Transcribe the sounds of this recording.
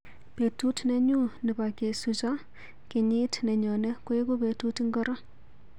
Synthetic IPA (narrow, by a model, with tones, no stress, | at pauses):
pe˨tu˦tnɛ˦ɲu˦nɪ˨ba˨ke˨su˨t͡ʃɔ˦ | kɪ˨ɲi˦tnɛ˨ɲɔ˨nɛ˦kwe˦ko˦be˨tu˦tɪ˦ŋɡɔ˦ɾɔ˦